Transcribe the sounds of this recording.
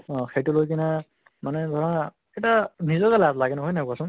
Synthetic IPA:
xʰejtulojkina | manɛdʱɔɹa | ɛtanizɔkalatlaɡɛnɔɦɔjnakuasʊ̃ŋ

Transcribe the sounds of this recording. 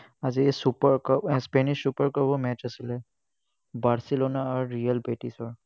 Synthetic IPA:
ad͡ʒiesupəɾkəpspɛniʃːupəɾkəbomɛt͡ʃəsilɛ | baɾsiloːnaɔɾːijəlbeʈisɔɾ

